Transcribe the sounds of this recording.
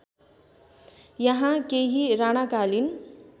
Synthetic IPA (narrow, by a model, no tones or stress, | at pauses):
jʌɦãkeɦiɾaɽ̃akalin